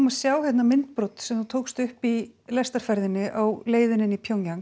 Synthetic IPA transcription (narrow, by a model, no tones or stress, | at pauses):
masjaːwhɛt̪namɪn̥t̪̚pɾowt̪sɛmθut̪ʰoːwkst̪ʏhpilɛst̪aɾ̥fɛɾðɪnːɪʔawleːjðɪnɪnipʰjowŋcaŋ